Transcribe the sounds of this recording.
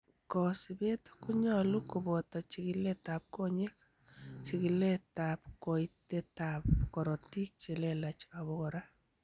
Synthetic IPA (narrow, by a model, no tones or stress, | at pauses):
kɔsibetkuɲɔlukubɔtɔt͡ʃikiletap̚koɲek | t͡ʃikiletap̚koitetapkɔɾɔtik̚t͡ʃelelat͡ʃaβɔkɔɾa